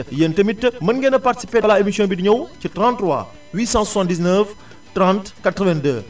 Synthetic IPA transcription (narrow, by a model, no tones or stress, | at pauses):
jəntəmitːəmənɡɛnəparti̥sipeːlaemisjɔ̃ːbidiɲɐwcətrɑ̃ntːrwa̰ | wiːsɑ̃susɑ̃ndis̬nəf | trɑ̃ntkatɾəvɛ̃ndəː